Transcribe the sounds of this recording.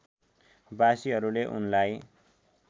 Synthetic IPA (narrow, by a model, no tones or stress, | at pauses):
basiɦʌɾuleʔṵnlaj